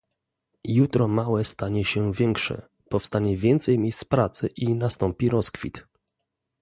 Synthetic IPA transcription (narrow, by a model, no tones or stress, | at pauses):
jut̪ɾɔmawɛst̪aɲɛɕɛvʲjɛŋkʂɛ̰ | pɔfst̪aɲɛvʲjɛnt̪sɛjmʲjejst̪spɾat̪sɘ̰ʔinast̪ɔmpʲiɾɔskfʲḭt̪